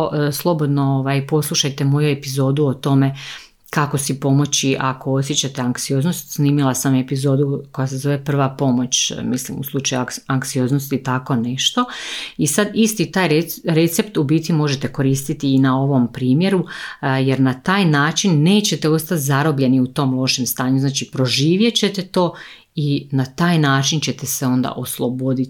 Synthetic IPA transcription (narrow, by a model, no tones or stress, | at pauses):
slˠo̞bo̞d̪nooʋajpo̞slˠuʃajt̪e̞mo̞jue̞pizo̞ːd̪uot̪o̞me̞ | kako̞sipo̞mo̞t͡ɕiʔako̞o̞sje̞t͡ɕat̪e̞aŋkt̪sio̞ːzno̞st̪sniːmilˠasame̞pizo̞ːd̪uko̞jase̞zo̞ʋe̞pr̩ʋapo̞mo̞t͡ɕmislḭmṵslˠut͡ʃajuaŋk̪sio̞ːznost̪it̪ako̞neʃt̪o̞isad̪ist̪it̪aːjɾeɾe̞t̪se̞pt̪ubiːt̪imo̞ʒet̪e̞ko̞ɾiːst̪it̪iːnao̞ʋo̞mpɾiːmje̞ɾuje̞ɾnat̪aːjnaːt͡ʃinːe̞ːt͡ɕe̞t̪e̞o̞st̪at̪zaɾo̞bʎe̞niut̪o̞ːmlˠo̞ʃemst̪aːɲuznaːt͡ʃipɾo̞ʒiːʋje̞t͡ɕe̞t̪e̞t̪o̞ː | inat̪aːjnaːt͡ʃint͡ɕe̞t̪ese̞o̞nd̪a̰ʔo̞slˠobo̞d̪it̪